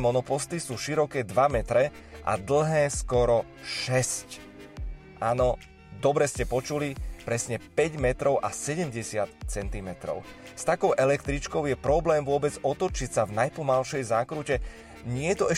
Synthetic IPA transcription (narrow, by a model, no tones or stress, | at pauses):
mɔnɔpɔst̪isuːʃiɾɔkɛːd̪ʋamɛt̪ɾɛ | ʔa̰d̪l̩ˠɦɛːskɔɾɔ | ʃɛsc | ʔaːnɔ | d̪ɔbɾɛscɛpɔt͡ʃulipɾɛsɲɛpɛɟmɛt̪ɾɔʊʔa̰sɛɟɛmɟɛsɪat̪t͡sɛnt̪imɛt̪ɾɔ̰ʊst̪akɔʊʔɛlɛkt̪ɾit͡ʃkɔʊjɛpɾɔblɛːmʋʊɔbɛd͡zɔt̪ɔt͡ʃicsavnajpɔmalʃɛjzaːkɾucɛ | ɲɪɛjɛt̪ɔɛ